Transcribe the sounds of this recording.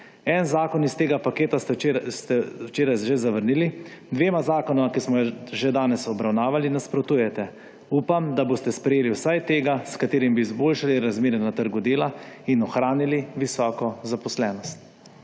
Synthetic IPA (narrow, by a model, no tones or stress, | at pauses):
ɛnzaːkɔnist̪eːɡapakeːt̪asst̪ɛwt͡ʃeːɾajʒezaʋəɾnilid̪ʋeːmazaːkɔnɔmakismɔjʒɛd̪aːnɛsɔbɾawnaːʋalinaspɾɔt̪uːjɛt̪ɛ | uːpamd̪aboːst̪ɛspɾɛjeːliwsajt̪eːɡaskat̪eːɾimbiːzboːlʃaliɾazmeːɾɛnat̪əɾɡud̪eːlainɔxɾaːniliʋisɔːkɔzapɔslɛːnɔst̪̚